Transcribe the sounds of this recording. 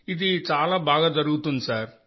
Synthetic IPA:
id̪it͡ʃaːlaːbaːɡaːd̪ɐɾuɡut̪und̪isaːɾ

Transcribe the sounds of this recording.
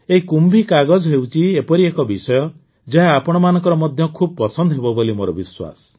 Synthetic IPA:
eɦikumbikaɡɔd͡ʒɔɦewt͡ʃʰiepɔɾiekɔbisɔjɔ | d͡ʒeɦaːpɔɽ̃ɔmanɔ̃ŋkɔɾɔmɔd̪ʱjɔkʰub̚ɔpɔsɔnd̪ɔɦebɔbolimoɾɔbiswa̰sɔ̥

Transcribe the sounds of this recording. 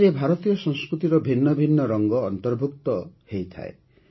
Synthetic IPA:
ɾebʱaɾɔt̪ijɔsɔŋ̃skɾut̪iɾɔbʱinːɔbʱinːɔɾɔŋɡɔːnt̪ɔɾbʱukt̪ɔhejt̪ʰa̰ḛ

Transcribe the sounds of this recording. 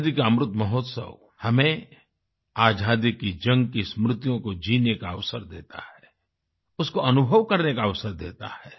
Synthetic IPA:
d̪ikaəmɾʊt̪mɐɦɔːt̪sə̰ʋ | hɐmẽ | aːd͡ʒʱaːd̪ikid͡ʒɐ̃ŋɡkismɾʊt̪ijõkod͡ʒiːnekaɐʋsəɾd̪eːt̪a̰hɛ | ʊskoɐnʊbʱəʋkɐɾnekaɐʋsəɾd̪ḛːt̪a̰hɛː

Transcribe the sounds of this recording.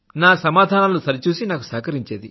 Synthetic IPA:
naːsɐmaːd̪ʱaːnalusɐɾit͡ʃuːsinaːku̥saːkɐɾiɲt͡ʃeːd̪i

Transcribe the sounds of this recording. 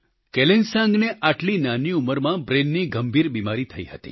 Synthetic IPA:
kelensãŋɡneaʈlinaniuməɾmãbɾenːiɡəmbʱiɾbimaɾit̪ʰəiɦət̪ḭ

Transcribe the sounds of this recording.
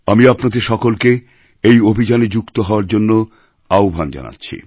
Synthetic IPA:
amiapnad̪eɾʃɔkolke | ejobʱid͡ʑaned͡ʑukt̪oɦɔoaɾd͡ʑonːo | aobʱand͡ʑa̰na̰tːɕʰḭ

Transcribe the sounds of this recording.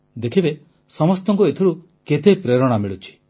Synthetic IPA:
d̪ekʰibe | sɔmɔst̪ɔŋkuet̪ʰiɾu | ket̪epɾeɾɔɽ̃amiɭut͡ʃʰi̥

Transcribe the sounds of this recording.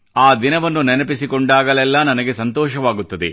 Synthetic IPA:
aːd̪inɐʋɐnːunɛnɐpisikoɳɖaːɡɐlɛlːɐnɐnɐɡe̞sɐnt̪ɔːʃɐʋaːɡut̪ːɐd̪e

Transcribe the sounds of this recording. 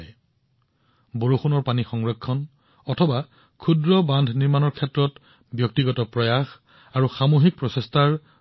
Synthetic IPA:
j | boɹuxunɔɹpanixɔŋɹɔkʰːɔn | ɔtʰɔba | kʰudɹɔbandʱniɹmanɔɹkʰɛtɹɔt | bjɔk̚tiɡɔtɔpɹɔjax | aɹuxamoɦik̚pɹɔsestʰaɹ

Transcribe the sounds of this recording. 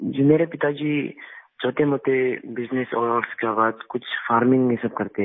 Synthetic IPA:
d͡ʒoːmeːɾepɪt̪ad͡ʒiːt͡ʃɔːt̪eɦɛmoːt̪ebɪznɪsɔ̰ːɔːɾskebaːd̪kʊt͡ʃʰfaːɾmɪ̃ŋɡɦɪsəb̚kɐɾt̪eɛ

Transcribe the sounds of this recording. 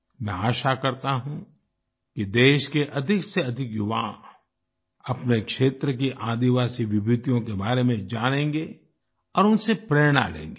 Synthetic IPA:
mɛ̃aːʃakɐɾt̪aɦũ | kid̪eːʃkeʔɐd̪ʱɪkseɐd̪ʱɪkjʊʋã̰ː | ɐpnekʃeːt̪ɾək̬iʔãːd̪iʋaːsiʋɪbɾɪt̪ijõkebaːɾemẽd͡ʒaːñẽːŋɡe | ɔːɾʊnsepɾeːɾɽ̃a̰lḛ̃ːŋɡe

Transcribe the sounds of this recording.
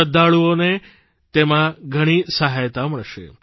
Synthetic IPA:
əd̪aɭuone | t̪emãɡʱəɽ̃isəɦajt̪ãməɭʃḛ

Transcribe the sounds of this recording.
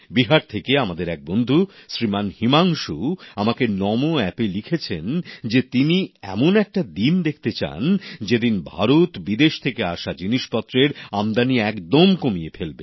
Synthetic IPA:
biɦaɾt̪ʰekeamad̪eɾɛk̚bond̪ʱuʃɾimanhimaŋʃuamakenɔmoɛpelikʰet͡ɕʰend͡ʑet̪iniɛ̰monɛk̚ʈad̪ind̪ekʰt̪et͡ɕa̰nd͡ʑed̪inbʱa̰ɾot̪bid̪eʃt̪ʰekeaʃad͡ʑiniʃpɔt̪ːɾeɾamd̪aniɛkd̪omkomijefelbe

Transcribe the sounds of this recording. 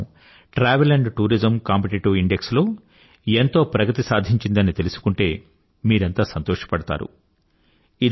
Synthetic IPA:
ʈɾaːʋelɐɳɖʈuːɾid͡ʒɐmkaːmpeʈiʈuiɳɖe̞kslo̞ː | ent̪o̞ːpɾɐɡɐt̪isaːd̪ʱiɲt͡ʃind̪ɐnit̪elusu̥kuɳʈe̞ː | miːɾent̪aːsɐnt̪ɔːʂɐ̥pɐɽɐt̪a̰ːɾṵ | id̪

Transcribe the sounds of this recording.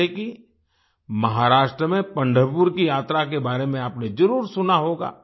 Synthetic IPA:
eki | mɐɦaɾaːʃʈɾəmẽpɐ̃ɳɖʱəpʊɾkijaːt̪ɾakebaːɾemẽaːpned͡ʒɐɾuːɾsʊnaɦoːɡa̰ː

